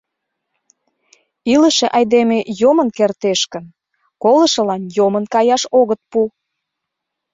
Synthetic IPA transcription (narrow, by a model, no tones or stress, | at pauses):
iləʃeʔɑjd̪emejomənkert̪eʃkən | kolə̆ʃə̆lɑnjomənkɑjɑʃoɣət̪̚pu